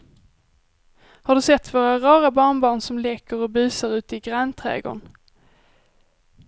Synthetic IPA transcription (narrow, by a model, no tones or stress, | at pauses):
haɖɵsɛt̪ːvoːɾaɾɑːɾabɑːɳbɑːɳsɔmleːkəɾɔbyːsaɾʉ̟ːt̪əɪɡɾant̪ʰɾɛ̰ːɡo̰ɳ